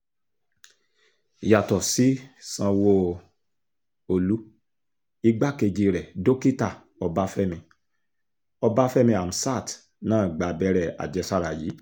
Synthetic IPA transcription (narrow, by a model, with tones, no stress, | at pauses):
i˨ja˨tɔ˨si˨˦sã˧wo˧ | o˧lu˨˦ | i˧ɡ͡ba˦ke˧d͡ʒi˧ɾɛ˨do˦ki˦ta˦˨ | ɔ˧ba˦fɛ˦mĩ˧ | ɔ˧ba˦fɛ˦mĩ˧a˨m̩˨sa˦˨t | nãː˦˨ɡ͡ba˨bɛ˦ɾɛ˦˨a̰˨d͡ʒɛ˧sa˦ɾa˨ji˨˦